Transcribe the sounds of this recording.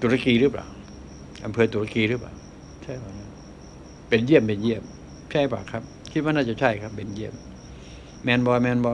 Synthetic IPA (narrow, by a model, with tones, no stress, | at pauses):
t̪u˨˩˦ɾa˧kiː˧ɾɯː˥˩pla̰ː˨˩w | ʔa˧mpʰɤː˧t̪uː˨˧˦ɾa˧kiː˧ɾɯː˥˩pla̰ː˨˩w | t͡ɕʰa˥˩a˧˩kʰa˥˩ | pe˨nji˥˩əmpe˨˧nji˥˩əm | t͡ɕʰa˥˩jpa̰ː˨˩kʰːa˦˥p̚ | kʰi˦t̪̚waː˥˧naː˥˩t͡ɕa˨˩t͡ɕʰa˥˩jkʰa˦˥p̚ːe˨˩nji˥˩əm | mɛː˧nbɔː˧mɛː˧nbɔ˧